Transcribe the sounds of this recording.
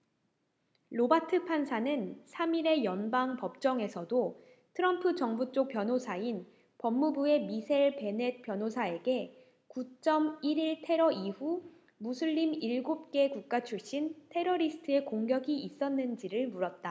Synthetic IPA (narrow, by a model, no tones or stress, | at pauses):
ɾobatʰɯpʰansʰanɯnsʰamiɾe̞jʌnbaŋpʌp̚t͡ɕ͈ʌŋe̞sʰʌdo | tʰɯɾʌmpʰɯd͡ʑʌŋbut͡ɕ͈ok̚p͈jʌnɦosʰain | pʌmːubue̞misʰeɭpe̞ne̞t̚p͈jʌnɦosʰae̞ɡe̞ | kut͡ɕ͈ʌmiɾiɭtʰe̞ɾʌʔiɸu | musʰuʎːimiɭɡop̚k͈e̞kuk̚k͈at͡ɕʰuɭɕ͈intʰe̞ɾʌɾisʰɯ̥tʰɯe̞koŋɡjʌɡiis͈ʌnːɯnd͡ʑiɾɯɭmuɾʌt̚t͈a